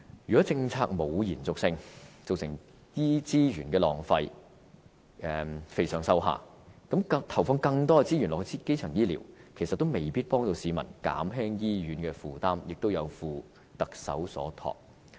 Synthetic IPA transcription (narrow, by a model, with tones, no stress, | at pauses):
jyː˨kɔ˨˦˥t͡sɪ˧ŋt͡sʰa̰ː˧k̚mo˨˧wjiː˨˩nt͡sʊ˨k̚sɪ˧ŋt͡so˨wsɪ̰˨˩ŋ | jiː˥t͡siː˥ɥyː˨˩nkɛː˧lɔ̰ː˨˩ŋfɐ˧j | ʔɛ˨fe˧jsœː˨˩ŋsɐ˧wɦa̰ː˨ | kɐ˨˥mɐ˧t̪ʰɐ˨˩wfʊ˧ŋkɐ˧ŋt̪ɔː˥ɛ˧t͡si˥jyː˨˩nlɔː˨kːt͡si˥ke˥jt͡sʰœː˨˩ŋjiː˥liː˨˩wkʰe˨˩jsɐ˨t̪̚ːo˥wme˨jpiː˥t̚pɔː˥ŋt̪o˧wsiː˨˧mɐ̰˨˩nka̰ː˨˥mɦɛː˥ŋjiː˥jyː˨˥nkɛː˧fuː˨t̪aː˥mjɪ˨k̚t̪o˥wjɐ˨˧wfuː˨˧ | t̪ɐ˨k̚sɐ̰˨˥wsɔ̰ː˨˥t̪ʰɔ̰ː˨˩k̚